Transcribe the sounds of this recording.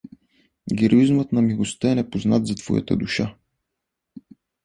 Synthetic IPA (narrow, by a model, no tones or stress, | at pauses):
ɡʲɛɾoizmət̪nɐmilˠost̪əɛnɛpoznat̪zat̪v̥ɔ̰ja̰t̪ə̰d̪uʃa